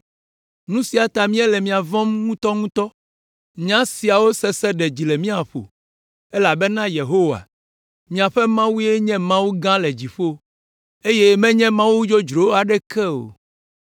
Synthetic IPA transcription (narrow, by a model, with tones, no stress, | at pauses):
nũ˦si˨a˨t̪a˨mĩ˦ɛ˦lɛ˨mĩ˨a˨vɔ̃˦mŋũ˦t̪ɔ˦ŋũ˦t̪ɔ˦ | ɲã˦si˨a˨wo˦sɛ˦sɛ˦ɖɛ˨d͡ʑi˨le˨mĩ˦a˨ɸo̰˨ | e˦la˨bɛ˦nã˦je˨ɦo˦wa̰˨ | mĩ˨a˨ɸɛ˦mã˦wu˦e˦ɲɛ̃˦mã˦wu˦ɡã˦le˨d͡ʑi˨ɸo˦ | e˦je˦mɛ̃˦ɲɛ̃˦mã˦wu˦d͡ʒo˦d͡ʒɾo˨˦a˨ɖɛ˦kɛ˦o̰˨